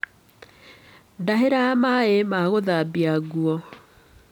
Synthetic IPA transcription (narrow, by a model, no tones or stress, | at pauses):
daɦeɾamaemaɣoðabiaɣuɔ